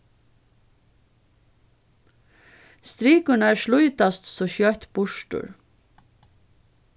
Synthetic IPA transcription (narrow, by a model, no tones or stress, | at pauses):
st̪ɾiːkʉɳəæːɹʃlʊʏt̪ɑst̪soːçœt̪bʊʃʈʉ̰ɹ